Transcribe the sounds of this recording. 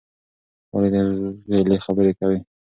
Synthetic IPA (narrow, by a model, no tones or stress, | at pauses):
wa̰led̪əɣelexabəɾekawi